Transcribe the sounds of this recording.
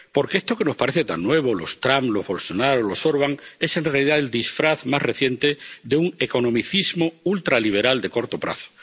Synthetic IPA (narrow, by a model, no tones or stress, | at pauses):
po̞ɾkeest̪o̞ke̞no̞spaɾeθe̞t̪a̰nːwe̞β̞olo̞st̪ɾamlo̞zβo̞lso̞naɾolo̞so̞ɾβaŋe̞se̞nrealiðaeld̪isfɾaθmasre̞θje̞nt̪e̞d̪euŋe̞ko̞nõ̞miθizmoult̪ɾaliβ̞e̞ɾald̪e̞ko̞ɾt̪o̞pɾa̰θo̥